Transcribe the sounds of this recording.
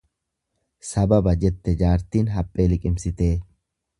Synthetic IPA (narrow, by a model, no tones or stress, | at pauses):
sɐbɐbɐd͡ʒɛt̪ːɛd͡ʒaːɾt̪iːnɦɐpʼːe̞ːlɪkʼɪmsɪt̪e̞ː